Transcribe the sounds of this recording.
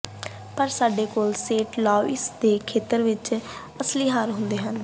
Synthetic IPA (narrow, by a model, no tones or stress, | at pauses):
pəɾsaːɖeːkoːlseːʈlɔːɪsd̪eːkʰeːt̪əɾʋɪt͡ʃ | əsliːɦaːɾɦʊ̃nd̪eːɦən